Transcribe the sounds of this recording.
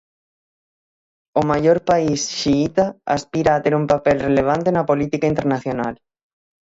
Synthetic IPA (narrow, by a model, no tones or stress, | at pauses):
omajoɾpaisʃiit̪aaspiɾaːt̪eɾumpapelreleβ̞ant̪enɐpolit̪ikaint̪eɾnaθjonal